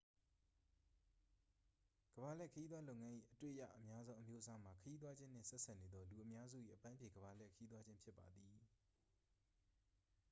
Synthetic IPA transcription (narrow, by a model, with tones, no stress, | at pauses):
ɡ̥əba˨lɛ˦˨kʰəji˦d̪ðwa˦lo˦˨ŋã˦ʔḭ˦˨ʔətwḛ˦ʔja̰˦˨ʔəmja˦zõ˦ʊ̃ʔəmjo˦ʔsa˦m̥a˨kʰəji˦t̪̬wa˦d͡ʑɪ̃˦n̥ɪ̰̃˦˨sɛ˦ʔsʰa˦˨ne˨d̪ðɔ˦lu˨ʔəmja˦zṵ˦˨ʔḭ˦˨ʔəpã˦mpʰje˨ɡəβa˨lɛ˦˨kʰəji˦t̪̬wa˦d͡ʑɪ̃˦mpʰjɪ˦pːa˨d̪i˨